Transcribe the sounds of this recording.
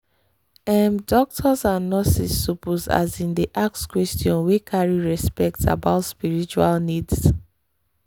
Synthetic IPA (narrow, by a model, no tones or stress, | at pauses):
ɛ̃mdɔk̚tʰɔsãnːɔsḭsːupuza̰zĩndiʔak̚skwɛstiɔ̃nwekʰaɹiɹɛspɛk̚ta̰baʊtspiɹit͡ʃualnids